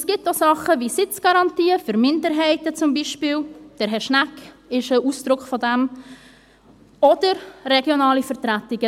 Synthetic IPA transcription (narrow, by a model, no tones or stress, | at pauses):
sɡ̥ɪtːosɑχəvisɪt͡sɡ̥ɑɾɑntiːəfʏɾmɪndəɾɦɛɪtət͡sʊmbiʃpiːld̥ɛɾɦɛʃnæk | ɪʃəʔuːsd̥ɾʊkχfɔdɛm | ɔd̥əɾrɛɡjonɑːlifəɾtɾætɪɡ̥ə